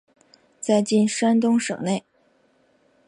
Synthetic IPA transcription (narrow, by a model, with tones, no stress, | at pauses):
t͡sa˥˧ɪt͡ɕi˥˩nʂa˥nt̪ʊ˥ŋʂɤ̰˨˩ŋne˥˩ɪ